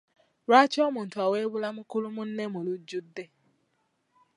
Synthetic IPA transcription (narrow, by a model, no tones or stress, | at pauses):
ɾat͡ʃɔmʊn̩tʊaweβʊlamʊkʊlʊmʊn̩nemolud͡ʒudːe